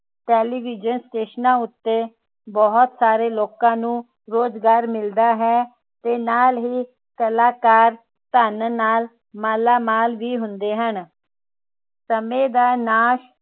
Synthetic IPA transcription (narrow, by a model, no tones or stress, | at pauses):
ʈɛːliːʋɪd͡ʒənsʈeːʃənãːʊt̪ːeː | bɔɦt̪saːɾeːloːkãːnũː | ɾoːd͡ʒɡaːɾmɪld̪aːɦɛː | t̪eːnaːlɦiː | kəlaːkaːɾ | t̪ənnaːl | maːlaːmaːlʋiːɦʊnd̪eːɦən | səmẽːd̪aːnaːʃ